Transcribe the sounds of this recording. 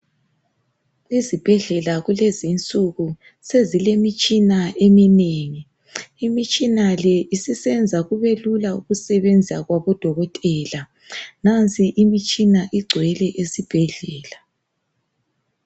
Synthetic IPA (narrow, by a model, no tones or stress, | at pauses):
izib̥ʱɛɮɛlaɣulezint͡sʼuɣu | sezilemit͡ʃʼinaʔemineŋi | imit͡ʃʼinalɛisisɛnd͡zʱaɣuβelulauɣusɛβend͡zʱisaɣwaβɔd̥ʱɔɣɔtʼɛːla | nant͡sʰʼiʔimit͡ʃʼinaʔiɡ͡ǀʱwɛlɛʔesib̥ʱɛɮɛːla